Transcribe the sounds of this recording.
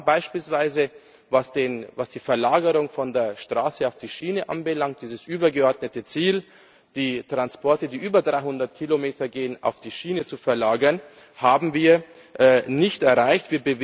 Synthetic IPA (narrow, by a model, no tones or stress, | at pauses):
b̥aɪʃpiːlsv̥aɪzə | vasd̥eːnvasd̥iːfɛɐlaːɡəʁʊŋfɔndeːɐʃtʁ̥aːsəaʊfd̥iːʃiːnəʔa̰nbəlaŋt̚d̥iːzəsʔyːbɐɡəɔɐdnətət͡siːl | d̥iːtʁ̥anspɔɐtədiːʔyːbɐdʁaɪhʊndɐtkʰilomeːtʰɐɡeːəna̰ʊfd̥iːʃiːnət͡sufɛɐlaːɡɐn | haːbm̩viːɐ | ʔɛnɪçtɛɐʁaɪçtv̥iːɐbəv